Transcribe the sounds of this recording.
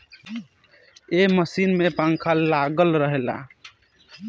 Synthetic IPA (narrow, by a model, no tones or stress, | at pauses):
eməsinmepaŋkʰalːaɡəlɾəɦela̰